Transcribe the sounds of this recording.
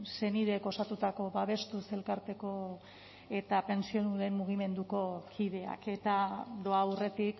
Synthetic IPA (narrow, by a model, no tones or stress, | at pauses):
se̞niðe̞ko̞sat̪ut̪ako̞βaβe̞st̪use̞lkaɾt̪e̞ko̞ | e̞t̪ape̞nsio̞nuɾe̞mmuɣ̞ime̞nd̪uko̞kʰið̞e̞a̰ke̞t̪ad̪o̞awre̞t̪ik